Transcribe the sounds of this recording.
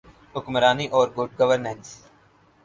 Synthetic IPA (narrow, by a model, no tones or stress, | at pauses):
ɦʊkməɾaːniʔɔːɾɡʊʈ̚ɡəʋəɾnɛ̃ːns